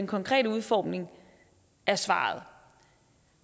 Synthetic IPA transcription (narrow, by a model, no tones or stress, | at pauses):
enkʰɒ̽ŋkʰʁɛ̰ːdəuð̞ˠfɒ̰ːmne̝ŋ | æɐsʋɑ̰̈ːð̞̩ˠ